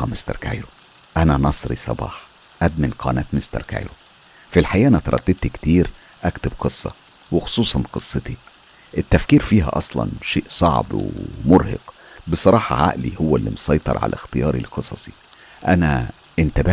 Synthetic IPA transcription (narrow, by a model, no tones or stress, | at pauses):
ɑmest̪ɑɾˤka̰jɾo | ʔænænɑsˤɾḭsˤɑbɑ̰ːħ | ʔæd̪menqʰɑ̰ːnæːt̪mest̪ɑ̰ɾˤka̰jɾo | filħajæːʔænæt̪ɑɾˤɑt̪ːed̪̚t̪ikt̪iːɾ | ʔækt̪ebqɨsˤːɑ̰ | wexo̥sˤuːsˤɑnqɨsˤːet̪i | ʔet̪ːæfkiːɾfiːɦæ̰ʔɑsˤlɑ̰nʃeːʔsˤɑ̰ʕbwḛmoɾhḛqbesˤɑɾˤɑːħɑʕa̰ʔlihowːælːimosˤɑjt̪ˤɑ̰ɾˤʕa̰læxt̪ejɑːɾḭlqɨsˤɑsˤi̥ | ʔænæ̰ | ʔent̪æbæ